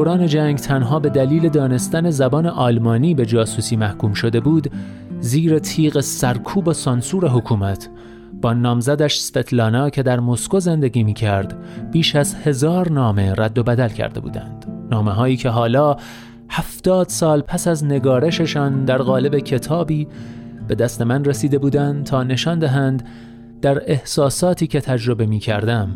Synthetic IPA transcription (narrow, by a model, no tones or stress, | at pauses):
oɾɒːne̞d͡ʒæŋɡt̪ʰænɦɒːbe̞d̪æliːle̞d̪ɒːne̞st̪æne̞zæbɒːne̞ʔɒːlmɒːniːbe̞d͡ʒɒːsuːsiːmæhkuːmʃo̞d̪e̞buːd̪ | ziːɾet̪ʰiːɣesæɾkʰuːbesɒnsuːɾe̞ɦokʰuːmæt̪ʰ | b̥ɒːnɒːmzæd̪æʃsfe̞t̪ʰlɒːnɒːcʲʰe̞d̪æɾmo̞sko̞ze̞nd̪e̞ɡʲiːmiːcʰæɾd̪̥biːʃæzhe̞zɒːɾnɒːme̞ræd̪ːo̞bæd̪ælcʰæ̰ɾd̪e̞bṵːd̪æ̰nd̪̥nɒːme̞ɦɒːiːcʰe̞ɦɒːlɒː | hæft̪ɒːd̪̥sɒːlpʰæsæzne̞ɡɒːɾe̞ʃe̞ʃɒːnd̪æɾɣɒːle̞be̞cʰe̞t̪ʰɒːbiːb̥e̞d̪æst̪e̞mænresiːd̪e̞buːd̪ænd̪t̪ʰɒːne̞ʃɒːnd̪æɦæːnd̪ | d̪æɾe̞hsɒːsɒːt̪ʰiːcʰʲe̞t̪ʰæd͡ʒɾo̞be̞miːcʰæɾd̪æm